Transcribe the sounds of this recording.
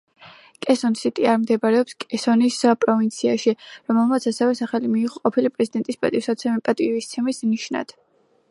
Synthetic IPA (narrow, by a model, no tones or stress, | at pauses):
kʼɛsɔnsit̪ʼiaɾmd̪ɛbaɾɛɔpskʼɛsɔnispʼɾɔvint̪sʰiaʃiɾɔmɛlˠmat̪sʰasɛvɛsaχalimiːʁɔqʼɔpʰilipʼɾɛzid̪ɛnt̪ʼispʼat̪ʼiɾsat̪sʰɛmipʼat̪ʼivist̪sʰɛmisniʃna̰d̪̥